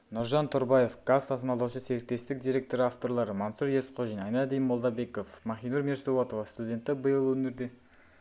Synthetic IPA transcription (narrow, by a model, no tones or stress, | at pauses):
nʊɾʒɑnt̪ʰoɾbɑjefɡ̥azt̪ʰɑs̬əmɑlˠɑwʃəse̞ɾɪk̚t̪e̞st̪ɪk̚d̪ʲijɾe̞k̚t̪o̞ɾaft̪o̞ɾlˠɑɾəmɑnsuɾje̞sqʰoʒijnɑjnɑd̪ejmːolˠd̪ɑbe̞ko̞fmɑχʲijnuɾmʲe̞ɾsowat̪o̞vɑst̪ud̪ʲe̞nt̪ːɪbəjəlˠwɵne̞ɾd̪e̞